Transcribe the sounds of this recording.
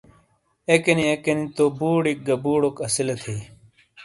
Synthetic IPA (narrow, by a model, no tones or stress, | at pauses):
ekeniekenit̪obuːɽik̚ɡɐbuːɽokɐsilɐt̪ʰi